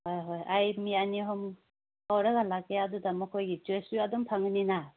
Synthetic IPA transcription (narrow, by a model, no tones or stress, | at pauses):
hojɦojajmianiɦɔm | awɾɐɡɐlakeadudamɐkʰojɡid͡ʒesuadɔmpʰaŋnina